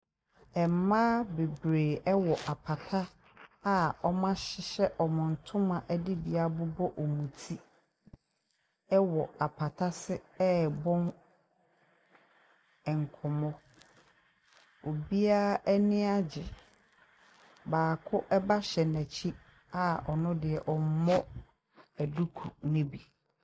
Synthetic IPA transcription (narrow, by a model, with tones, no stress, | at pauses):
ɛ˨m̩˨˦mã˦be˨bɾeː˨ɛ˦wɔ˨ʔa˨pʰa˨tʰa˦ | a˦ɔ˦mã˦ɕɪ˨ɕɛ˦ʔɔ˨mʊ̃˨n̩˨tʰʊ̃˦mã˨ʔɛ˦dɪ˦bi˨a˦bʊ˦bɔ˦ʔɔ˨mũ˨tʰi˦ | ɛ˦wɔ˨a˨pʰa˨tʰa˦sɪ˦ɛ˦˨bɔ̃˦n | ɛ˨ŋ̩˨kʰɔ˨mɔ̃˦ | o˨bi˦a˦ʔɛ˦nɪ̃˦a˦d͡ʑɪ˨ | baː˨kʰʊ˦ʔɛ˦ba˦ɕɛ˨næ˨t͡ɕʰi˦ | a˦ɔ˨nʊ̃˦dɪ˨ɛ˨ʔɔ˨m̩˦mɔ̃˦ | æ˨du˦kʰu˨nʊ̃˦bi˨